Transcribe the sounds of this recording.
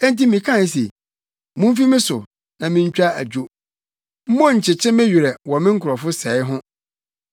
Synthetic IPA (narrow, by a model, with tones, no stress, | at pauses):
ɛ̃˦n˦ti˦mĩ˨kʰã˦˨˦s̬ḛ˨ | mũ˦m˦fi˦mɪ̃˦sʊ̰˨ | nã˨mɪ̃˦ɲ̩˦t͡ɕᶣa˦æ˨d͡ʑᶣo˦ | m̩˦mɔ̃˦ɲ̩˨t͡ɕʰɪ˨t͡ɕʰɪ̃˦mɪ̃˦ɥi˨ɾɛ˨wɔ˨mɪ̃˦ŋ̩˦kʰʊ˨ɾɔ˨fʊ˦sɛ˨ɪ˦ɦʊ̃˦